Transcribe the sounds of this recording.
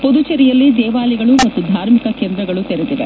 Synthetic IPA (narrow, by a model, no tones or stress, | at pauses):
pod̪ut͡ʃeɾijɐlːid̪ɛːʋaːliɡɐɭumɐt̪ːud̪ʱaːɾmikɐkeːnd̪ɾɐɡɐɭut̪eɾɛd̪id̪e